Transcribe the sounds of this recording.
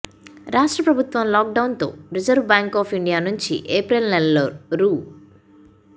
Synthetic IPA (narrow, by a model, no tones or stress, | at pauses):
ɾaːʂʈɾɐpɾɐbʱut̪ʋɐmlaːk̚ɖɐwnt̪o̞̰ːɾid͡ʒɐɾʋbaːŋkɔːpʰiɳɖijaːnuɲt͡ʃḭʔeːpɾelnɛloɾuː